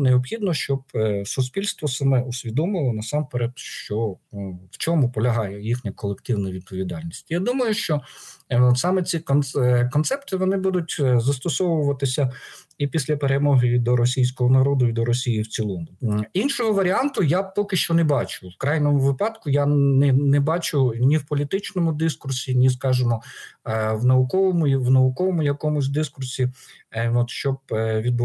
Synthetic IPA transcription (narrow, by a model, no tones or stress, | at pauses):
neɔpxʲid̪nɔʃt͡ʃɔb̚sʊspʲilʲst̪ʋɔsɐmɛʊsʲʋʲid̪ɔmɪlˠɔnɐsɑmpeɾɛt̪ʃt͡ʃɔ | wt͡ʃɔmʊpɔlʲɐɦɑjɛjixnʲɐkɔlˠekt̪ɪwnɐʋʲid̪̚pɔʋʲid̪ɑlʲnʲisʲtʲjad̪umɐjʊʃt͡ʃɔ | sɑmɛt͡sʲikkɔnt̪sɛpt̪ɪʋɔnɪbud̪ʊtʲzɐst̪ɔsɔʋʊʋɐt̪ɪsʲɐ | ipʲisʲlʲɐpeɾemɔɦɪd̪ɔɾɔs̬ʲijsʲkɔɦɔnɐɾɔd̪ʊid̪ɔɾɔsʲijiwt͡sʲilˠɔmʊinʃɔɦɔʋɐɾʲiɑnt̪ʊjapɔkɪʃt͡ʃɔnɛbɑt͡ʃʊwkɾɑjnɔmʊʋɪpɑd̪kʊjanɛnɛbɑt͡ʃʊnʲiwpɔlʲit̪ɪt͡ʃnɔmʊd̪ɪskʊrsʲinʲis̬kɑʒɪmɔ | ʋnɐʊkɔʋɔmʊʋnɐʊkɔʋɔmʊjɐkɔmʊsʲd̪ɪskʊrsʲi | ɔt̪ʃt͡ʃɔb̚ʋʲid̪b